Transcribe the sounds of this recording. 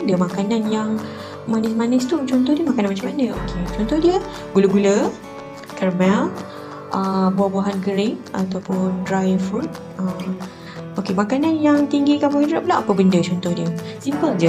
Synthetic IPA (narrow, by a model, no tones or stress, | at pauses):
dəmakananjaŋ | manɪsmanɪst̪ut͡ʃɔnt̪ɔhdiəmakananmat͡ʃamanə̃o̰kʰet͡ʃɔnt̪ɔhdiə | ɡuləɡulə | kərmɛl | ʔəbuahbuaɦanɡəɾɪŋat̪awpʊndɾajfut̚ | ʔəm | ʔokemakananjaŋt̪iŋɡikamũŋidəɾaʔp̚laʔapəbəndət͡ʃɔnt̪ɔhdiəsimpəld͡ʒə